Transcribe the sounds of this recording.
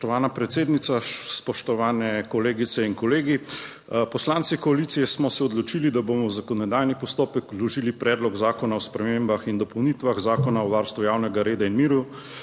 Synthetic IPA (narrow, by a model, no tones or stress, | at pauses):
t̪ɔʋaːnapɾɛt̪seːd̪nit̪saspɔʃt̪ɔʋaːnɛkɔleːɡit̪sɛinkɔleːɡi | pɔslaːnt̪sikɔalit̪sijɛsmɔsɛɔd̪lɔt͡ʃiːlid̪aboːmɔwzakɔnɛd̪aːjnipɔst̪oːpɛk̪lɔʒiːlipɾɛːd̪lɔɡzaːkɔnaɔspɾɛmembaxind̪ɔpɔwniːt̪ʋaɣzaːkɔnaɔʋaɾst̪ʋujaːwnɛɡaɾeːd̪ainmiːɾu